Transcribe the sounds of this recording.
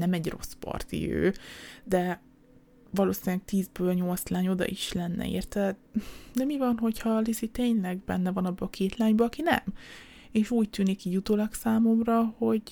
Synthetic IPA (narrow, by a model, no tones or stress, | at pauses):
nɛmɛɟro̞̰spɒ̰rt̪ḭø̰ːd̪ɛ | vɒloːsinɛk̚t̪iːzbøːlɲo̞lt̪slaːɲo̞d̪ɒ̰ʔiʃlɛnːɛ̰ḛːrt̪ɛd̪ɛmivɒnɦo̞chɒlisit̪eːɲlɛɡbɛ̰nːɛvɒnɒbːøɒkʰeːt̪laːɲbøɒkinɛ̰m | eːʃuːc̚t̪yːnikːijut̪oːlɒksaːmo̞mrɒho̞ɟ